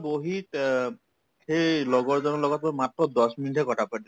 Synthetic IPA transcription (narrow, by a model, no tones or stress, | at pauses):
boɦit̪ | xejlɔɡɔɹzɔnɔlɔɡɔt̪̚bɔmat̪ɾɔd̪ɔsminiʈʰɛkɔʈʰapa